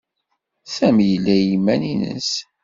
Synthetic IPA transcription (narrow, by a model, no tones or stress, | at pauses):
sæmjəlːæjimːæninə̰s